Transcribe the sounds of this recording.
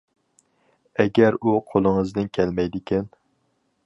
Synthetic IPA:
ɛɡʲɛɾuqʰolˠɨŋəzd̪ɨnkʲʰɛlmɛjd̪ɪkʲʰɛn

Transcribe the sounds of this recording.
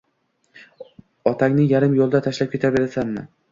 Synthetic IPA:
ɒt̪ʰaŋʲnɪŋjaɾɪmjolˠɪd̪at̪ʰaʃlap̚kʰʲe̞t̪ʰabe̞ɾasanma̰

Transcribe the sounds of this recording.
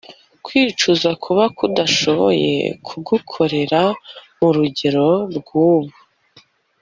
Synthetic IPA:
kwiːt͡ʃuzakʰuβakudaʃo̞βo̰je̞̰kʰuɡukʰo̞ɾe̞ɾa | muɾuɟe̞ɾo̞ɾɡwuːβu

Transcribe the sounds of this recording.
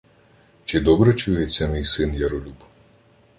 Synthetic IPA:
t͡ʃɪd̪ɔbɾɛt͡ʃujet͡sʲːɐmʲijsɪnjɐɾɔlʲub

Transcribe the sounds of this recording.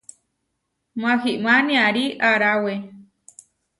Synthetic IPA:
mãxiʔmãnĩãɾiʔaɾawe

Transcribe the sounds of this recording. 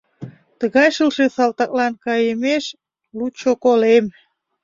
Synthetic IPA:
t̪əɣɑjʃəlʃesɑlt̪ɑk̚lɑnkɑjəmeʃ | lut͡ɕokolem

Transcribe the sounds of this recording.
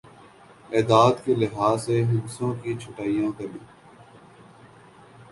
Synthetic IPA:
ɛːd̪aːd̪kelɪɦaːseɦɪd̪sõːkit͡ʃʰʊʈaːijãkɐɾliː

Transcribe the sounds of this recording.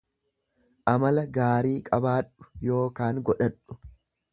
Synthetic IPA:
ʔɐmɐlɐɡaːɾiːkʼɐbaːᶑʊ̥jo̞ːkaːŋɡɔᶑɐᶑːʊ̥

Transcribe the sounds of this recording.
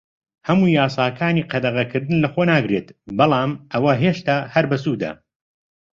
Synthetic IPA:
hɐmuːjaːsˤaːkʰaːniːqʰɐd̪ɐʁɐkʰɨɾd̪ɨnlɐxonaːɡɾeːt̪bɑlˠɑːmɐwɐɦeːʃt̪aːhɐɾbɐsuːd̪ɐ̰

